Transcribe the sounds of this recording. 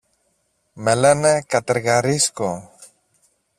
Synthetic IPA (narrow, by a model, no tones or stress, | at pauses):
melenekat̪eɾɣaɾisko